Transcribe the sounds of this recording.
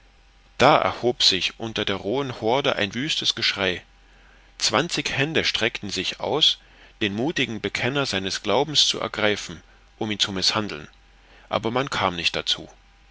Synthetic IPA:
d̥aːʔɛ̰ɐhoːpz̥ɪçʔʊntɐdeːɐʁoːənhɔɐdəʔa̰ɪnvyːstəsɡ̥əʃʁ̥aɪ | t͡sv̥ant͡sɪçhɛndəʃtʁ̥ɛktn̩zɪçʔa̰ʊs | d̥eːnmuːtɪɡŋ̩bəkʰɛnɐzaɪnəsɡ̥laʊbm̩st͡sṵʔɛ̰ɐɡʁaɪfn̩ | ʔʊmiːnt͡sumɪshandl̩n | ʔa̰ːbɐmankʰaːmnɪçt̚d̥at͡sṵː

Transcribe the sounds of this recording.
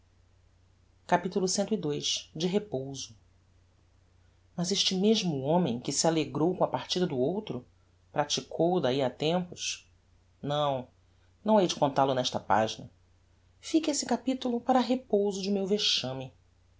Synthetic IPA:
kapit̪ulʊsẽnt̪ʊid̪ojʃd͡ʒɪɦepowzʊ | mɐzeʃt͡ʃɪmeʒmʊõmẽj̃kɪsialeɡɾowkõɐpaɾt͡ʃid̪ɐd̪ʊowt̪ɾʊ | pɾat͡ʃikʰowd̪aiat̪ẽmpʊʃ | nɐ̃w̃ | nɐ̃w̃ɛjd͡ʒɪkõnt̪alʊnɛʃt̪ɐpa̰ʒinɐ̰ | fikesɪkapit̪ulʊpaɾɐɦepowzʊd͡ʒɪmewveʃɐ̃mɪ

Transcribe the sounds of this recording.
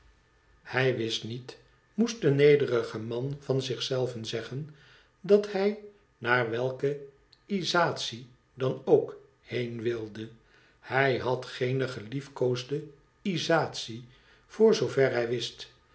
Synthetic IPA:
hɛjʋɪstnit | must̚dənejdərəχəmɑnvɑnzɪχsɛlˠvənzɛχən | dɑthɛj | naːɹʋɛlˠkə | izaːt̪si | dɑnowk | hejnʋɪlˠdə | hɛjɦɑtχejnəχəlifkowzdə | izaːtsi | v̥ʊːɹzowvɛɹɦɛjʋɪst

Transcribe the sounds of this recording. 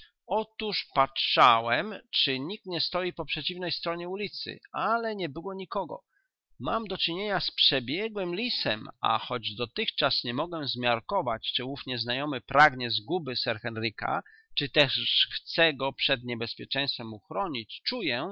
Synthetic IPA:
ɔt̪uʂpatʂawɛmt͡ʂɘɲik̚t̪ɲɛst̪ɔjipɔpʂɛt͡ɕivnɛjst̪ɾɔɲɛulʲit̪sɘ̰alɛɲɛbɘwɔɲikɔɡɔ̰ | mamd̪ɔt͡ʂɘɲeɲaspʂɛbʲjɛɡwɘmlʲisɛma̰xɔd͡ʑd̪ɔt̪ɘxt͡ʂasɲɛmɔɡwɛzmʲjaɾkɔvat͡ɕt͡ʂɘwufɲɛznajɔmɘpɾaɡɲɛzɡubɘsɛɾxɛnɾika̰ | t͡ʂɘt̪ɛʂxt̪sɛɡɔpʂɛd̪ɲɛbɛspʲjɛt͡ʂɛj̃st̪fɛmuxɾɔɲit͡ɕt͡ʂujɛ

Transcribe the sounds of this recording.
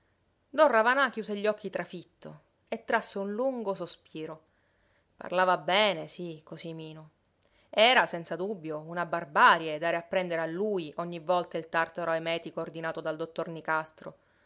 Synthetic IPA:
d̪ɔnravanak̟juːseʎːɔkːit̪ɾafit̪ːo̰ | et̪ːɾasːeunluŋɡosospiːɾo | pa̰rlaːvabɛːnesikosimiːno | ɛːɾasɛnt̪sad̪ubːjounabarbaːɾjaed̪ːaːɾeapːɾɛnd̪eɾealːujʔoɲːivːɔlt̪ailt̪art̪aɾoemɛːt̪ikoːrd̪inaːt̪od̪ald̪ot̪ːornikast̪ɾo̰

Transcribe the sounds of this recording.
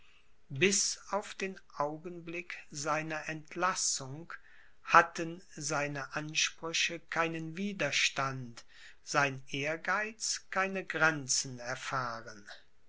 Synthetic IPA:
bɪsaʊfd̥eːnʔaʊɡənblɪkzaɪnɐʔɛntʰlasʊŋ | hatənzaɪnəʔanʃpʁ̥ʏçəkʰaɪnənviːdɐʃtant | z̥aɪneːɐɡaɪt͡skʰaɪnəɡʁɛnt͡sn̩ɛɐfaːʁən

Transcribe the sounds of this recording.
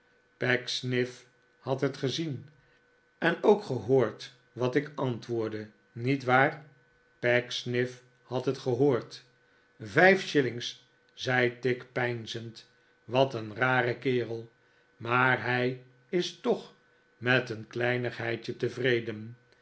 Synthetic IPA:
pɛksnɪf | hɑtɦətχəzin | ɛnowkχəɦoːɹt | ʋɑtɪkɑntʋʊːɹdə | nitʋaːɹ | pɛksnɪf | hɑtɦətχəɦoːɹt | vɛjfʃɪlɪŋs | z̥ɛjtɪkpɛjnzənt | ʋɑtənraːrəkɪːʁəlˠ | maːɹɦɛj | ɪstɔχ | mɛtənklɛjnəχɦɛjt͡ʃətəvrejdən

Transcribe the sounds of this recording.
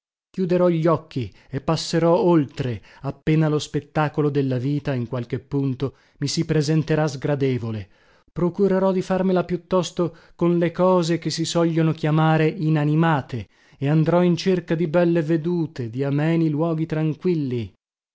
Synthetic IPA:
kjud̪eɾɔʎːɔk̟ːi | epːasːeɾɔolt̪ɾe | apːeːnalospet̪ːaːkolod̪elːaviːt̪aiŋkwalk̟epːunt̪o | misipɾezent̪eɾazɡɾad̪eːvole | pɾokuɾeɾɔd̪ifarmelapjut̪ːɔst̪o | konlekɔːzek̟esːisɔʎːonokjamaːɾeʔinanimaːt̪ʰe | eand̪ɾɔint͡ʃerkad̪ibɛlːeved̪uːt̪ed̪iamɛːnilwɔːɡit̪ɾaŋkwilːi

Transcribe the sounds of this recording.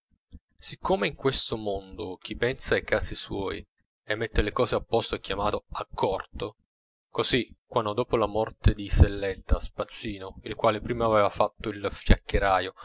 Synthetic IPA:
sikʰːomeiŋkwest̪omond̪ok̟ipɛnsaajkaːsiswɔ̰ːj | emːet̪ːelekɔːzeapːɔst̪oɛkːjamaːt̪oakʰːɔrt̪o | kozikːwanːod̪oːpolamɔrt̪ed̪iselːɛt̪ːaspat̪sːiːnoilkwaːlepɾiːmaːvɛːvafat̪ːoilfja̰kːeɾaːjo

